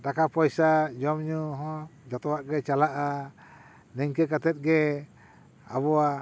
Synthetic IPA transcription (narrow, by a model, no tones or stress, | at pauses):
dakapaisad͡ʒɔmɲuɦɔ̃d͡ʒat̪uaʔɡet͡ʃalaʔa | nɛŋkəkat̪ɛt̪̚ɡɛ | a̰βɔa